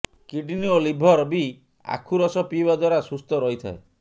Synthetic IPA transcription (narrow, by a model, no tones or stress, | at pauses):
kiɖiniolibʱɔɾbi | a̰kʰuɾɔsɔpibad̪waɾasust̪ɔɾɔɦit̪ʰa̰e